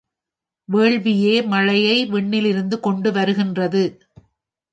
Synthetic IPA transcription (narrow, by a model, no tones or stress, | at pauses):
ʋeːɭʋɪjeːmɐɻɐjɐɪʋɛɳːɪlɪɾɯnd̪ɯkɔɳɖɯʋɐɾɯɣɪndrɐðɯ